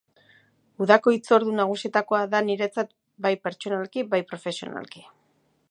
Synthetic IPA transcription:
uðako̞it͡so̞ɾðunaɣ̞usie̞t̪ako̞aðaniɾe̞t͡sat̪ | bajpe̞ɾt͡ʃo̞nalkibajpɾo̞fe̞sio̞̰na̰lki̥

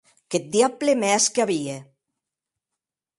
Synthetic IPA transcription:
ket̪̚d̪iaplemɛskaβie

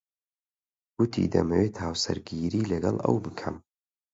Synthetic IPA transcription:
ɡ̥ʊt̪ʰḭd̪ɐmɐwet̪ʰaːwsɐɾɡiːɾiːlɐɡɐlˠɐ̰wbɨkʰɐm

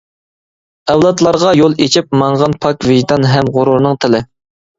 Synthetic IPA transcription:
ɛwlˠɑt̪lˠɑɾʁɑjolˠet͡ʃʰip̚mɑŋʁɑnpʰɑkʲvɪʒd̪ɑnɦɛmʁʊɾuɾnɨŋt̪ʰɪlɪ

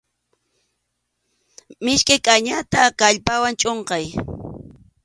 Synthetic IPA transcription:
mɪʃkajkʼaɲat̪akaʎpawant͡ʃʼoɴqɑj

